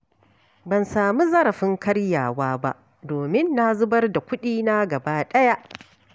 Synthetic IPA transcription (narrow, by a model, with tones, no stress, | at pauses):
bɐ˨nsaː˨mu˦zɐ˦ɾɐ˨ɸɪ˦ŋkɐ˦ɽja̰ː˨waː˦ba̰˦ʔ | doː˨mɪ˦nːa˦zʊ˦bɐ˦rda˨kʷʊ˦ɗiː˦na˦ɡɐ˨baː˦ɗɐ˦ja˦ʔ